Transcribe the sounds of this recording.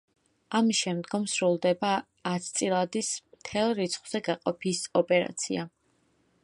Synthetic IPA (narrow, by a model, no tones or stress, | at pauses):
amiʃɛmd̪ɡɔmsɾulˠd̪ɛbaː | t̪ʰt̪sʼilˠad̪ismt̪ʰɛlˠɾit̪sʰχwz̥ɛɡaqʼɔpʰisɔpʼɛɾa̰t̪sʰḭa